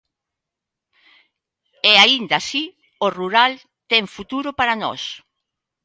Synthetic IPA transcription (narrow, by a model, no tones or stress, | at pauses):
ɛaind̪asi | oruɾal | t̪ɛŋfut̪uɾʊpaɾanɔ̰s